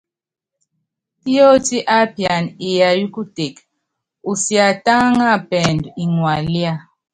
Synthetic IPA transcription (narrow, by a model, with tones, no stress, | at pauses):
ti˦jo˦ti˦ʔa˦pi˨a˨ni˨ja˨ju˦ku˦te˨k | u˨si˨a˨ta˦ŋa˦˨pɛ˨ndu˨i˨ŋwa˨lja˦˨